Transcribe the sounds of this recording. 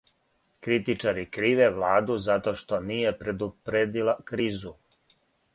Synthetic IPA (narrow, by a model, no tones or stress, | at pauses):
kɾit̪it͡ʂaɾikɾiːʋeʋlˠaːd̪uzat̪o̞ʃt̪o̞niːje̞pɾed̪upɾed̪ilakɾiːzu